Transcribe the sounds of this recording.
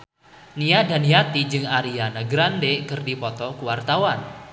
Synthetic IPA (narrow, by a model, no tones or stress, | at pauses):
niadaniat̪id͡ʒɨŋaɾianaɡɾandekɨrdipɔt̪ɔkuwart̪awan